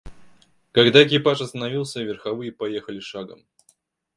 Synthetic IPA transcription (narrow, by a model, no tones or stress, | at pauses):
kɐɡd̪aɪkʲɪpaʂɐst̪ənɐvʲilˠsʲəvʲɪrxɐvɨjəpɐjexəlʲɪʂaɡə̰m